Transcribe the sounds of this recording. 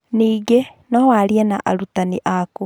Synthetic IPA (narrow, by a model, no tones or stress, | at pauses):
niːɡenɔwaɾiɛna̰ʔa̰ɾutaniʔako